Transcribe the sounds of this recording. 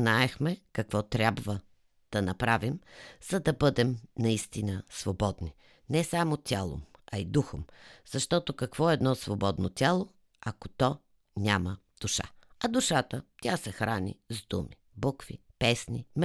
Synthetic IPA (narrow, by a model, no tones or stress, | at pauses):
naɛxmɛkɐkvɔt̪ɾʲabvə | d̪̥ɐnɐpɾavimz̥ɐd̪ɐbɤd̪ɛmnɐist̪inəsvobɔd̪ni | nɛsamot̪ʲalˠo̰mɐid̪uxomz̥ɐʃt̪ɔt̪okɐkvɔɛɛd̪nɔsvobɔd̪no̰t̪ʲalˠo | ɐkot̪ɔ | nʲamə | d̪̥uʃa̰ɐd̪uʃat̪ət̪ʲasɛxɾanʲḭzd̪ṵmi | bokvḭ | pɛsnim